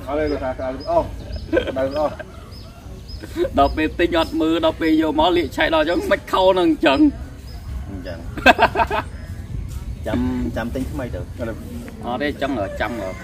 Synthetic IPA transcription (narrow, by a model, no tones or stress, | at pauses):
ʔaləːlək̪ʰaːkəɗawəʔɑːhɗawəʔɑː | ɗɑlpeːlt̪ɨɲʔat̪̚məːlɗɑlpeːljoːmaliəʔt͡ɕʰaɛʔ̚ɗɑlt͡ɕəŋməc̚kʰawnɨŋɲt͡ɕəŋ | ɲ̩t͡ɕəŋ | t͡ɕamt͡ɕamt̪ɨɲt̪ʰməjt̪ɨːəl | ʔɑːneːt͡ɕəŋʔəːt͡ɕaməː